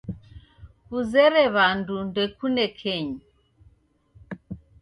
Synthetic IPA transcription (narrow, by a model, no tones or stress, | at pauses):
kuzɛɾɛβandundɛkunɛkʰɛɲi